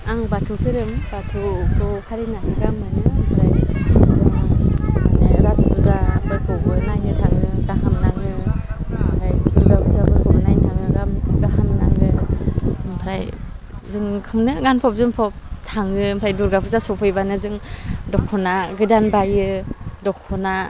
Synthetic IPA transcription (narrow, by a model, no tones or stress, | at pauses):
aŋbatʰutʰɯɾɯmb̥atʰukʰɯkʰaɾinakʰɯɡamɯnɯmpʰɾajzɯŋ | ɾaspʰuzabɯkʰɔɡɯnajnɯtʰaŋɯɡaɦamnaŋɯ | pʰɾajduɾɡapʰɯzabɯɾkɔnajntʰaŋɯɡamɡahannaŋɯ | mpʰɾaj | zɯŋkʰɯmnɯɡanpʰɔp̚zɯŋpʰɔp̚tʰaŋɯmpʰɾajduɾɡapʰuzasɔpʰɔjbanɯzɯŋdɔkʰːɔnaɡɯdanbajɯdɔkʰːɔna